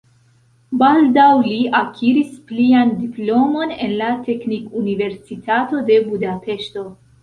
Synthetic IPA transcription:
baldawliakʰiɾispliandiplo̞mo̞ne̞̰nlate̞knikunive̞ɾsitato̞de̞budape̞ʃto̞

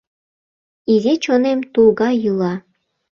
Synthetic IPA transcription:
izet͡ɕonemt̪ulˠɣɑjulɑ

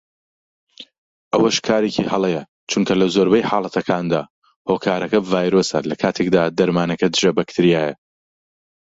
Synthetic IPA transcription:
ʔɐwɐʃkʰaːɾecʰihɐlˠejɐ | t͡ʃuŋkʰɐlɐzoːɾbɐjħaːlˠɐt̪ʰɐkʰaːnd̪a̰ː | hoːkʰaːɾɐkɐvaːjɾoːsɐ̰lɐkʰaːt̪ʰek̚d̪aːd̪ɐɾmaːnɐkɐd̪ɨʒɐbɐkt̪ʰɨɾijaːjɐ̰

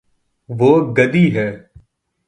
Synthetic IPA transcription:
ʋoːɡəd̪iːɦɛː

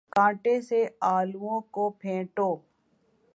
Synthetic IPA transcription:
kãːʈeːseaːluːõːkoːpʰẽːʈoː

